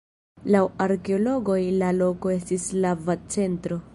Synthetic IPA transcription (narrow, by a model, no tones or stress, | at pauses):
lawaɾke̞o̞lo̞ɡo̞jlalo̞ko̞e̞stislavat͡se̞ntɾo̞